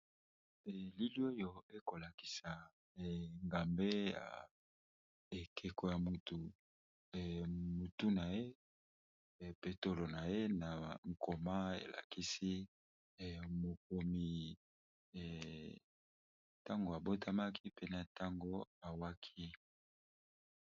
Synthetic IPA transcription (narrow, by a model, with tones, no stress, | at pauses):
ɛ˨li˦li˦o˦jo˨e˦ko˨la˨ki̥˨sa˨ | ŋɡa˨mbe˦ja̰˨ | e˨kʰe˨ko˨ja˨mu˨tu˨ | mu˨tu˦na˨je˦˨ | pe˨to˨lo˨na˨je˦na˨ŋ̩˨kʰo˨ma˦ḛ˨lʔa̰˨ki˦si˦˨ | mo˨k̚o˨mi˨ | ta˦ŋɡo˨a˨bo˦tʰa˦ma˦ki˦pe˦na˨ta˦ŋɡo˦a˨wa˦kʰi˦